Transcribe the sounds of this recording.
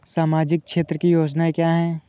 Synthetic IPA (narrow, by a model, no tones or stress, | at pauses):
saːmaːd͡ʒɪk̚kʃeːt̪ɾəkijoːd͡ʒnaekjaːɦɛː